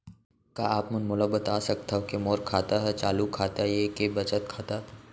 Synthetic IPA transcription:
kaaːpmɐnmʊləbət̪aːsɐk̚t̪aokemoːɾkʰaːt̪aɦɛt͡ʃaːlukʰaːt̪ajekebɐt͡ʃət̪kʰaːt̪a

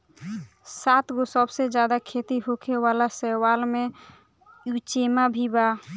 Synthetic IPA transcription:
sat̪ɡosəbsed͡ʒjad̪akʰet̪iɦokʰewalasɛwalme | jut͡ʃemabʱiba

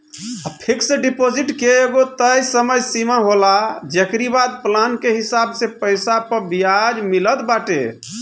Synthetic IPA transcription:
apʰeksɖipod͡ʒiʈkeːɡot̪əjsəməjsimaɦolad͡ʒekɾibad̪̚plankeɦisabsẽpəjsapəɾbijad͡ʒmilət̪baʈḛ

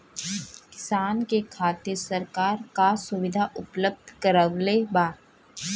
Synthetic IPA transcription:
kɪ̥saːnkekʰaːt̪ɪɾsəɾkaːɾkasʊʋɪd̪ʱaʔʊpləb̚d̪ʱkəɾəʋlebaː

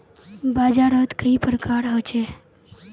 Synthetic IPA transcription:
bad͡ʒaɾət̪kəipɾəkʰaɾɦət͡ʃe

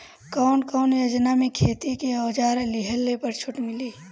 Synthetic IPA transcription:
kɔːnkɔːnjod͡ʒnamẽkʰeːt̪ikeoːd͡ʒaːɾelɪɦəlːepəɾt͡ʃʰʊʈmɪliː

